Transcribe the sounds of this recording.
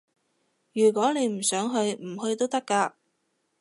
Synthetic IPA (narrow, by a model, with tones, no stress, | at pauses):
jyː˨˩k̬wɔː˨˥ne˨˧jm̩˨˩sœː˨˥ŋɦɵ˧ɥm̩˨˩hɵ˧jt̪̬o˥wt̪ɐ˥kːaː˧